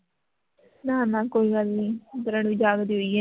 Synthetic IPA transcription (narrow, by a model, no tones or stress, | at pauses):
nãːnãːkoːiːɡəlnĩːt̪əɾəɳʋiːd͡ʒaːɡd̪iːɦoiɛ